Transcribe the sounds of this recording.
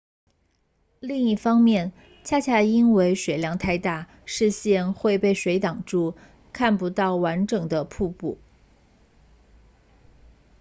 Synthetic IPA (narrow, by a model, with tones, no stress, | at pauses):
li˥˧ŋi˥˩fɑ˥ŋmjɛ˥˩n | t͡ɕʰa˥t͡ɕʰja˥˩i˥nwe˧˥ɪʂwe˨˩ɪljɑ˧˥ŋt̪ʰa˥˧ɪt̪a˥˩ | ʂɻ̩˥˧ɕjɛ˥˧nxwe˥˧ɪpe˥˩ɪʂwe˧˥ɪt̪ɑ˨˩ŋʈ͡ʂu˥˧ | kʰa˥˩npu˧˥t̪ɑ˥˩ʊwa˧˥nʈ͡ʂɤ˨˩ŋd̪ə˦pʰu˥˧pṵ˥˩